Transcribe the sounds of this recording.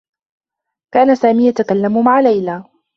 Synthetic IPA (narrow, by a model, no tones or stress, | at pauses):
kaːnasaːmiːjat̪akalːammaʕalajlaː